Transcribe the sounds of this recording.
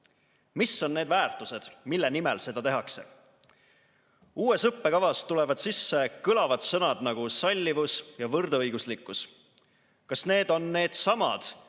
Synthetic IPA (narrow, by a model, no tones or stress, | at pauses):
misːo̞nːe̞ːd̪væːrt̪ˑuse̞d̪̥milːenimelse̞d̪̥ɑt̪e̞ɦɑkse̞̰ | uːe̞sɤpːe̞kɑvɑst̪ulɛ̞vɑd̪̥sisːe̞kɯlɑvɑd̪̥sɤnɑd̪̥nɑɡ̥usɑlʲːivusjɑvɤrd̪̥ɤjɡ̥uslikːˑus | kɑsne̞ːd̪̥o̞nːe̞ːd̪̥sɑmɑ̰d̪̥